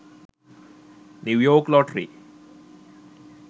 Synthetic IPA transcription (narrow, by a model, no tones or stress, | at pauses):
nuʋjoːklɔʈɾḭ